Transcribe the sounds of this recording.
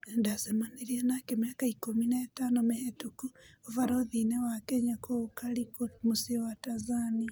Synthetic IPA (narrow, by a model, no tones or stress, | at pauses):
endasemaneɾienakemejakaikominaːtanomehetukuovaɾoðinewakɛɲakokaɾikomusiwatazani